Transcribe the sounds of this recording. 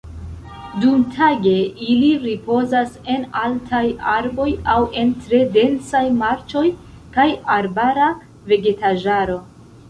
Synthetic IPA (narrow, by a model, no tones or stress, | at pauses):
dumtʰaɡe̞iliɾipo̞zase̞naltʰajaɾbo̞jawe̞ntɾe̞de̞nsajmaɾt͡ʃo̞j | kajaɾbaɾa | ve̞ɡe̞taʒaɾo̞